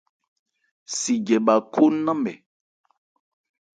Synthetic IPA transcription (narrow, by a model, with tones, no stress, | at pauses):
si˨d͡ʒɛ˨ɓa˨kʰo˦nã˦mbɛ˨